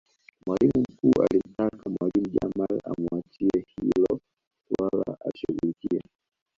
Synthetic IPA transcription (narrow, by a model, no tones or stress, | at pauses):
mwalimum̩kuːʔalim̩takʰamwalim̩ʄamalamuat͡ʃiɛhilɔ | walaaʃuɣulikiɛ